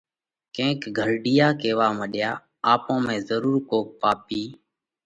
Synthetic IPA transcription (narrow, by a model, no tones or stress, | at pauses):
kẽːkɡʱəɾɖijaːkeːʋaːməɗɪjaː | aːpõːmẽːzəɾuːɾkoːk̚paːpiː